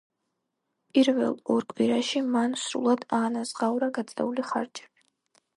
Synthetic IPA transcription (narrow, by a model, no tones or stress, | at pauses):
pʼiɾvɛ̰lˠɔɾkʼwiɾaʃimansɾṵlˠad̪aːnazʁawɾaɡat̪sʼɛ̰uliχa̰ɾd͡ʒɛ̥bi̥